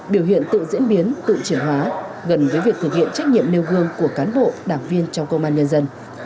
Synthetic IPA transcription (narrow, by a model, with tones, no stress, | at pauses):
ɓi˧˩əwhḭ˧˨ənt̪ɨ̰˧˨zḭ˧˥ənɓi˨˦nt̪ɨ̰˧˨t͡ɕi˧˩ənɦwaː˨˦ɣə˨˧˩nvəː˨˦jvi˨˩ək̚t̪ɨ˨˩k̚hḭ˧ənt͡ɕa˦˥jk̚ɲḭ˧˨əmne˧wɣɨ˧əŋku˧˩əkaː˨˦nɓo̰˧˨ɗaː˧˩ŋvi˧ənt͡ɕɔ˧wŋ͡mkə˧wŋ͡mʔaː˧nɲə˧nzə˧n